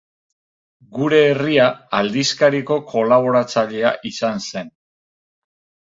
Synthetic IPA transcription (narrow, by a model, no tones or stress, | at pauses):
ɡuɾe̞ːriaald̪iskaɾiko̞kʰo̞laβ̞o̞ɾat͡saʎe̞aʔisanse̞n